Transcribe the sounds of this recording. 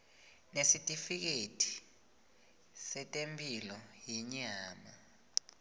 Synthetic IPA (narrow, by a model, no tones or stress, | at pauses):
nesitʼifik̬etʰʼi̥ | sɛtʼempʼilɔjiɲaːma